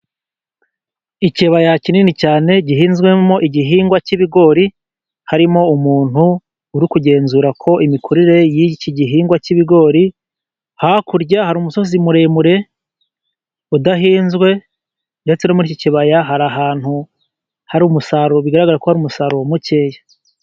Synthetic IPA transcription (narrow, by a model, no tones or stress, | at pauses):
iceβajacininicaːne̞ɟiɦiːnzɡwe̞mo̞ʔiɟiɦiːŋɡwaciβiɡo̞ːɾi | haɾimo̞umuːn̥hu | uɾikuɟe̞ːnzuːɾakʰo̞ʔimikʰuɾiɾe̞jiciɟiɦiːŋɡwaciβiɡo̞ːɾi | hakuɾɟahaɾumuso̞zimuɾe̞muɾe̞ | udaɦiːnzɡwe̞ | nde̞t͡senomuɾiciciβajaɦaɾaɦaːn̥hu | haɾumusaɾoβiɡaɾaɡaɾakohaɾuːmusaɾomuce̞ːja